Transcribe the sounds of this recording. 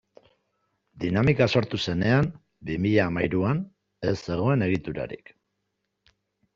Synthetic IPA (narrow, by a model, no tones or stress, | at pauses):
d̪inamikaso̞ɾt̪use̞ne̞am | bimiʎaːmajɾuan | e̞sːe̞ɣ̞o̞e̞ne̞ɣ̞it̪uɾa̰ɾḭk